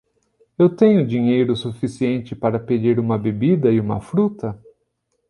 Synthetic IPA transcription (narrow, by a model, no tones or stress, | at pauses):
ewt̪ẽɲʊd͡ʒĩɲejɾʊsufisiẽnt͡ʃɪpaɾɐped͡ʒiɾũmɐbebid̪ɐɪũmɐ̰fɾut̪ɐ